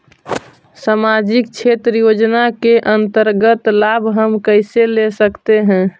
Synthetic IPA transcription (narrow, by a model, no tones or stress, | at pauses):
samad͡ʒik̚t͡ʃʰet̪ɾəjod͡ʒnakeʔənt̪əɾɡət̪labʱɦəmkəɪselesəkt̪eɦɛ̃